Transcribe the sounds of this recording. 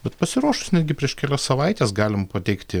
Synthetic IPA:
bʲɛt̪pɐsʲɪɾuːʃʊsnʲɛd̪ʲɡʲɪpʲɾʲiɛʃkʲɛlʲɛssɐʋɐɪt̪ʲeːsɡɑːlʲɪmpɐt̪ʲɛɪkt̪ʲɪ

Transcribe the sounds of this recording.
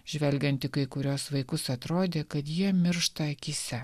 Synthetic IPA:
ʒʲʋʲɛlʲɡʲɛnʲt̪ʲɪkɐɪkʊɾʲuːsʋɐɪkʊsɐt̪ɾoːd̪ʲeːkɐt̪jiɛmʲɪɾʃt̪ɐɐkʲisʲɛ

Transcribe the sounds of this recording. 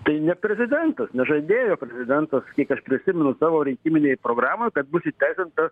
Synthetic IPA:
t̪ɐɪnʲɛpʲɾʲɛzʲɪd̪ʲɛnt̪ɐsnʲɛʒɐd̪ʲeːjoːpʲɾʲɛzʲɪd̪ʲɛnt̪ɐskʲiɛkɐʃpʲɾʲɪsʲɪmʲɛnʊsɑːʋoːɾʲɪŋʲkʲimʲɪnʲeːjpɾoːɡrɑːmoːjkɐt̪̚bʊsʲɪt̪ʲæɪsʲɪnt̪ɐ

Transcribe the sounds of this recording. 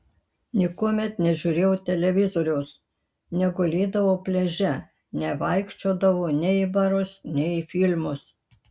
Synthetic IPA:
nʲɪkuɔmʲɛt̪nʲɛʒʲʊːɾʲeːjɛʊt̪ʲɛlʲɛʋʲɪzoːɾʲɛʊs | nʲɛɡʊlʲeːd̪ɐʋoːpʲlʲɛʒʲɛ | nʲɛʋɐˑɪkʃʲt͡ʃʲoːd̪ɐʋoːnʲɛɪbɐɾʊsnʲɛɪfʲɪlʲmʊs

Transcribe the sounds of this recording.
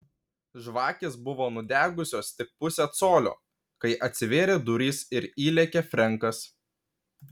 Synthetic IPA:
ʒʋɑːkʲeːsbʊʋoːnʊd̪ʲæːɡʊsʲoːst̪ʲɪk̚pʊsʲɛt̪soːlʲo̰ː | kɐɪʔɐt̪ʲsʲɪʋʲeːɾʲeːd̪ʊɾʲiːsɪɾiːlʲɛkʲefʲɾʲɛŋˑkɐs

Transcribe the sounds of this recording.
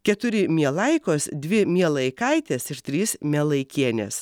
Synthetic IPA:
kʲɛt̪ʊɾʲɪmʲiɛlˠɐɪkoːsd̪ʲʋʲɪmʲiɛlˠɐɪkɐɪt̪ʲeːsɪɾt̪ʲɾʲiːsmʲɛlˠɐɪkʲiɛnʲɛ̰s

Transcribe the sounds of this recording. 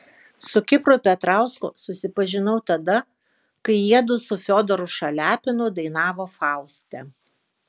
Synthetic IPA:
sʊkʲɪpɾʊpʲɛt̪ɾɑˑʊskʊ̰sʊsʲɪpɐʒʲɪnɐʊt̪ɐd̪ɐ | kɐɪiɛd̪ʊsʊfʲoːd̪ɔɾʊʃɐlʲæːpʲɪnʊd̪ɐɪnɑːʋoːfɑˑʊsʲt̪ʲɛ

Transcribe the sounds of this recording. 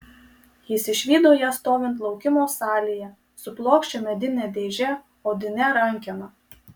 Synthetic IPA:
jɪsɪʃʲʋʲiːd̪oːjɛst̪oːʋʲɪnt̪lˠɒʊkʲɪmoːsɑːlʲijɛ | sʊplˠoːkʃʲt͡ʃʲɛmʲɛd̪ʲɪnʲɛd̪ʲeːʒʲɛ | oːd̪ʲɪnʲɛɾɐŋʲkʲɛnɐ

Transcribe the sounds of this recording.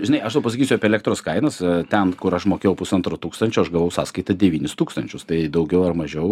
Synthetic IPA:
ʒʲɪnɐɪɐʃt̪ɐpɐsɐkʲiːsʲʊɐpʲeɛlʲækt̪ɾoːskɐɪnɐst̪ʲɛnkʊɾɐʃmoːkʲeːjɛʊpʊsɐnt̪ɾot̪uːkst̪ɐnʲt͡ʃʲʊɐʃɡɐʋɐʊsɑːskɐɪt̪ɐd̪ʲɛʋʲiːnʲɪst̪uːkst̪ɐnʲt͡ʃʲʊst̪ɐɪd̪ɐʊɡʲɛʊɐrmɐʒʲɛʊ

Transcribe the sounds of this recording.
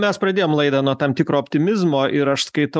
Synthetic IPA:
mʲɛspɾɐd̪ʲeːjoːmlˠɐɪd̪ɐːnuɔt̪ɑmt̪ʲɪkɾoːpʲt̪ʲɪmʲɪzmoːʔɪɾɐʃskɐɪt̪ɐ

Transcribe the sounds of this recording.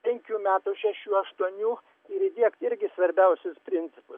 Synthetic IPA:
pʲɛŋʲkʲuːmʲæːt̪uʃʲæʃʲuːɐʃt̪uɔnʲuː | ɪɾɪd̪ʲiɛkt̪ɪɾʲɡʲɪsʋɐɾʲbʲɛʊsʲʊspʲɾʲɪnʲt̪sʲɪpʊs

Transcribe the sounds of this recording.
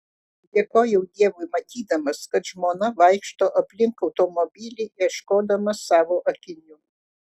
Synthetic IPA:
d̪ʲeːkoːjɛʊd̪ʲiɛʋʊjmɐt̪ʲiːd̪ɐmɐskɐt̪ʒmoːnɐʋɐɪkʃt̪oːʔɐpʲlʲɪŋkɐʊt̪omɔbʲiːlʲiiɛʃkoːd̪ɐmɐsɑːʋoːʔɐkʲɪnʲʊ

